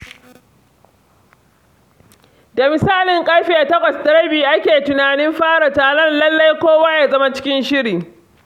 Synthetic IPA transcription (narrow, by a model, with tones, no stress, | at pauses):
da˨mɪ˨saː˦˨lɪ˨ŋkʼɐ˦ɸiː˦ʔa˨tɐ˦kʷʼɐ˨sdɐ˦ɾɐ˦biː˨ʔa˦kʲeː˨tʊ˨naː˨nɪ˦mɸaː˦ɽa˨taː˨lɔ˦nlɐ˦lːa˦jkʷoː˦waː˦jaː˦zɐ˦ma˦t͡ʃɪ̥˦kʲɪ˦nʃɪ˦ɾiː˨